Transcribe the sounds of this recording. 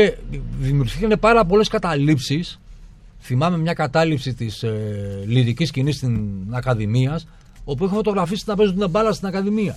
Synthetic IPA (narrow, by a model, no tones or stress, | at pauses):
eðimiuɾçikɐnepɐɾɐp̬o̞le̞skɐt̪ɐlipsis | θimɐme̞mɲɐkɐt̪ɐlipsit̪isliɾiciscinist̪iɐkɐðimiɐs | op̬ueçefo̞t̪o̞ɣɾɐfisit̪nɐpezut̪inebɐlɐst̪inɐkɐðimiɐ